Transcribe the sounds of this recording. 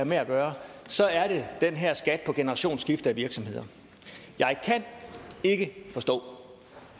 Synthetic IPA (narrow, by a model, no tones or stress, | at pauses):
æɐmeæɡ̥ɶːɐsɒ̽æɐɾ̥e̝d̥enɦæɐ̰sɡ̥æd̥̚pʰɒ̽ɡ̥e̝nəʁɑ̈ɕo̝̰ːnsɡ̥ifd̥ɐæʋiɐɡ̥sɒ̽mhe̝ðˠɐ | jɑ̈ɪkʰæne̝ɡ̥əfɒ̽sd̥ɔ̰̽ː